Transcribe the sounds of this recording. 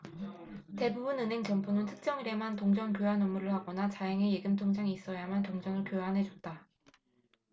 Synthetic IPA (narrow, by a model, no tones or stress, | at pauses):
te̞bubunɯnɦe̞ŋt͡ɕʌmpʰonɯntʰɯ̥k̚t͡ɕ͈ʌŋiɾe̞mantoŋd͡ʑʌnkjoanomːuɾɯɭhaɡʌnat͡ɕaeŋe̞jeɡɯmtʰoŋd͡ʑaŋiːs͈ʌjamantoŋd͡ʑʌnɯɭkjoanɦe̞d͡ʑut͈a